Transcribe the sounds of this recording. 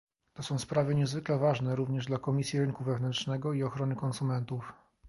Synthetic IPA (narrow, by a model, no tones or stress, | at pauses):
t̪ɔsɔ̃w̃spɾavɘɲɛzvɘklɛvaʐnɛɾuvɲɛʐd̪lakɔmʲisʲjiɾɘŋkuvɛvnɛntʂnɛɡɔiɔxɾɔnɘkɔnsumɛnt̪uf